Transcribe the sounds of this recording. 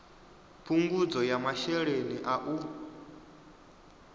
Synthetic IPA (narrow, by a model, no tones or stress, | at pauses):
pʰuŋɡud͡zɔjamaʃɛɺeniʔaʔu